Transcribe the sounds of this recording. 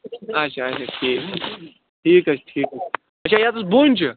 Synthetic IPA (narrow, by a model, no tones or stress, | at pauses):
ɐt͡ʃʰaːɐt͡ʃʰaʈʰiːk | ʈʰiːkɐt͡ʃʰʈʰiːk | ɐt͡ʃʰaːjaːt̪usbonʲt͡ʃʰi